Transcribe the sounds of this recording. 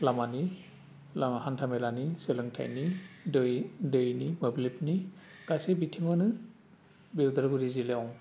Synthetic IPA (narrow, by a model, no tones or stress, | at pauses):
lamani | lahantʰamelaniselɯŋtʰa̰jnidjdɯjnimɯblipniɡ̥asebitʰimɯnɯ | biwdaɾɡuɾizileaw